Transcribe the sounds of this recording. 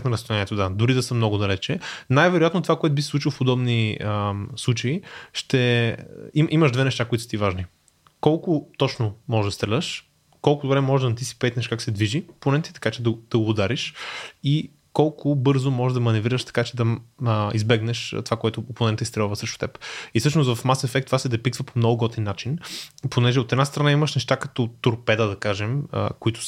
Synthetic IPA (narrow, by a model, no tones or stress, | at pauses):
t̪nɐɾɐst̪lɛniɛt̪ʊd̪ad̪ʊɾid̪ɐsəmnɔɡʊd̪ɐlɛt͡ʃɛnajvɛɾʊjat̪not̪ovakoɛt̪ʊbisisˠut͡ʃilˠfpod̪ɔbni | slˠut͡ʃəiʃt̪ɛ | iʔimɐʒd̪vɛnɛʃt̪akoit̪ʊ̥st̪ivaʒni | kɔlˠkʊt̪ɔt͡ʃnomɔʒɛʒd̪ɐst̪ɾɛlʲəʃ | kɔlˠkʊd̪ʊbɾɛmɔʒɛʒd̪ɐnt̪isi̥pɛt̪nɛʃkaksɛd̪viʒiponɛnt̪i̥t̪ɐ̥kat͡ʃɛd̪ɐd̪̥ɐɡoːd̪aɾiʃi | kɔlˠkʰʊbɤɾzʊmɔʒɛʒd̪ɐmɐnɛvɾiɾəʃt̪ɐ̥kat͡ʃɛd̪ɐizbɛɡnɛʃt̪ovakoɛt̪ʊponɛnt̪əist̪ɾɛlˠvəsɾəʃt̪ʊ̥t̪ɛpisɤʃnost̪vɐfmasɛfɛk̚t̪ːovasɛd̪ɛpiksvəpomnɔɡʊɡɔt̪ɛnːat͡ʃinponɛʒɛot̪ɛd̪nast̪ɾɐnaiməʃnɛʃt̪akɐ̥t̪ɔt̪oɾpɛd̪əd̪ɐkaʒɛmə̰koit̪ʊ̥s